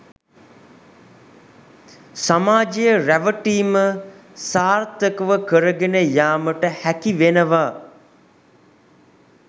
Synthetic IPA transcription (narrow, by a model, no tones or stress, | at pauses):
samaːd͡ʒejəræʋəʈiːməsaːrt̪əkəʋəkəɾəɡenəjaːməʈəhækiʋenəʋaː